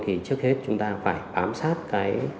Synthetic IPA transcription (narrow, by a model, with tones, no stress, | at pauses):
t̪ʰi˨˩t͡ɕɨ˦˥ək̚he˦˥t̚t͡ɕʊ˨˦ŋ͡mt̪aː˧faː˧˩jɓaː˨˦msaː˦˥t̚kaː˨˦j